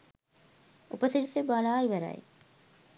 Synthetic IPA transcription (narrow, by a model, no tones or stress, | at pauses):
upəsiɾisebalaːiʋəɾa̰j